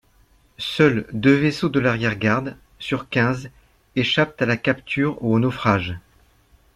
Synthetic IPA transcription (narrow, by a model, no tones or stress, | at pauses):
sœld̪øvesod̪əlaʁjɛʁɡaʁd̪ | syʁkʲɛ̃z | eʃap̚t̪alakʲapt̪ʰyːʁuonɔfχaʒ